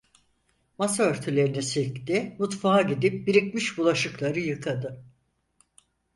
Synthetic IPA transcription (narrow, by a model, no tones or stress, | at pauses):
mas̬aøɾt̪ʰylʲe̞ɾinisict̪imut̪faɦaɟid̪ip̚biɾicmiʃbulˠaʃɯklˠaɾɯjɯkʰad̪ɯ